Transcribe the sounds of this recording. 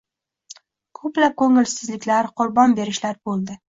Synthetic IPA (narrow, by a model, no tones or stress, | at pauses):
kʰɵplap̚kʰɵŋɪlsɪzlɪkʲlaɾqʰʊɾbɒnbe̞ɾɪʃlaɾbolˠd̪ɪ